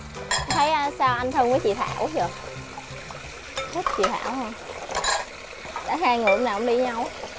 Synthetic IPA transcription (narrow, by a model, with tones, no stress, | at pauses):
t̪ʰə˨˦jʔəː˧saː˧wʔa˧n̟t̪ʰɨ˧ŋvəː˨˦jt͡ɕḭ˧˨t̪ʰa̰ː˧˩˨wʔt͡ɕə˨˩ | tə˦˥t̚t͡ɕḭ˧˨t̪ʰa̰ː˧˩˨whə˧ŋ͡m | ɗa̰ː˧˥ɦaː˧jŋɨ˨˧˩əmnaː˨˩ʔʊ̰˧˦ŋ͡mɗi˧ɲa˧w